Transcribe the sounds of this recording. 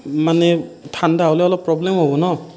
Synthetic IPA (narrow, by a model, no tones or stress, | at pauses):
manetʰandaɔlɛɔlɔpːɹɔblemhɔbɔnɔ